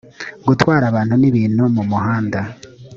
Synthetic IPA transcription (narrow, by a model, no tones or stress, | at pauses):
ɡutwaːɾaβaːnhuniβiːnhumumuɦaːnda